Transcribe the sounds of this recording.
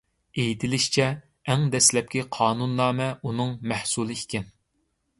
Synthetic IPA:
ejit̪ʰɪlɪʃt͡ʃʰɛː | ŋd̪ɛslɛp̚kʲiqʰɑːnunːɑːmɛunɨŋmæhsulˠɨikʲɪn

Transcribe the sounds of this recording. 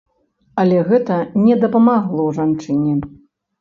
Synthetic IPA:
ɐlʲɛɣɛt̪ɐnʲɛd̪ɐpɐmaɣlˠɔwʐant͡ʂɨnʲɛ

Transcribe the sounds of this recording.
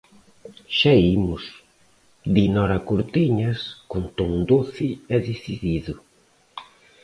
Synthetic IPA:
ʃaimʊs | d̪inɔɾakuɾt̪iɲɐskont̪oŋd̪oθiɛðiθiðiðʊ

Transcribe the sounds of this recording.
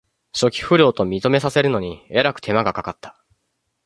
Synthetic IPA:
ɕo̞kʲi̥ɸɯ̟ɾʲo̞ːt̪o̞mʲit̪o̞me̞sase̞ɾɯ̟no̞ɲ̟ieɾakɯ̟̥t̪ʰe̞maɡakakat̪ːḁ

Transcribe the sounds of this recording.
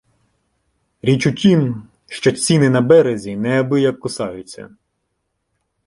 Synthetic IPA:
ɾʲit͡ʃutʲim | ʃt͡ʃɔt͡sʲinɪnɐbɛɾezʲinɛɐbɪjɐkːʊsɑjʊt͡sʲːɐ̰

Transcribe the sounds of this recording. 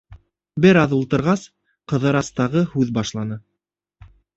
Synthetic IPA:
bɘɾɑðulˠt̪ɤ̆ɾʁɑs | qɤ̆ðɤɾɑst̪ɑʁɤhʉðbɑʃlˠɑnɤ

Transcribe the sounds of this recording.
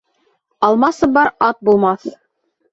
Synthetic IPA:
ɑlˠmɑsɤbɑɾɑt̪̚bulˠmɑθ

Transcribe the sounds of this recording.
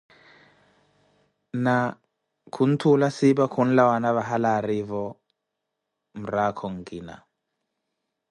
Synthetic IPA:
na | kʰun̩tʰulasibakʰun̩lawanaβaɦalaɾivɔ | m̩ɾakʰɔŋ̩ɡina̰

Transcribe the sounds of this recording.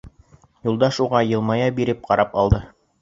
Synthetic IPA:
julˠd̪ɑʃuʁɑjɤ̆lˠmɑjɑbiɾɘp̚qɑɾɑpɑlˠd̪ɤ

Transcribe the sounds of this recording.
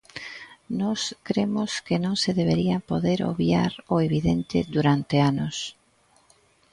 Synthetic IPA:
nɔskɾemʊskenõŋseðeβ̞eɾiapoðeɾo̰βjaɾoeβiðent̪ɪ̰d̪uɾant̪eanʊs

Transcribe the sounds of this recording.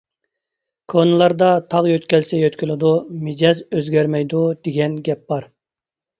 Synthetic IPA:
kʰonɨlˠɑɾd̪ɑt̪ʰɑʁjøt̪kʲɛlsɛjøt̪kʲylˠɪd̪umed͡ʒɛzøzɡʲɛɾmɛjd̪ud̪̥eɡʲɛnɡʲɛp̚b̥ɑɾ

